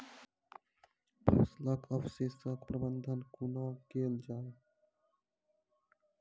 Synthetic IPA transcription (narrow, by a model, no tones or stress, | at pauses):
pʰusləkʰəfsesəkpɾəbənd̪ʱənkunakeːld͡ʒaːe